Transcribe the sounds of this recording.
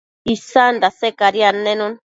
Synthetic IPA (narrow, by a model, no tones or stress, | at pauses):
isand̪asekaɾjanːenun